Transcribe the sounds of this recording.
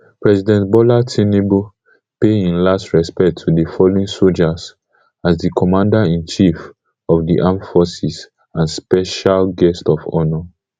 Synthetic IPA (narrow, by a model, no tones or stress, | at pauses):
pɹɛsidɛ̃ntbɔlatʰĩnebo | peĩnlastɹɛspɛk̚tʰːudifɔloĩnsold͡ʒaz | azdikʰɔmãndaĩnt͡ʃif | ɔvdḭʔãmfɔsis | ãnspɛʃalɡɛstɔvɔ̰nɔ